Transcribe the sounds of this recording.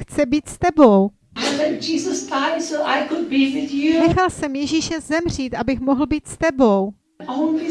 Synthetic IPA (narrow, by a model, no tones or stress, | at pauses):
xt͡sɛbiːt̪st̪ɛbow | aɪlɛd͡ʒiːzəstʰãɪ̃msoʔaɪkʊd̚biwɪðjunɛxalsɛmjɛʒiːʃɛzɛmr̝iːt̪ʔabɪxmoɦl̩biːt̪st̪ɛbow | õʊ̃nli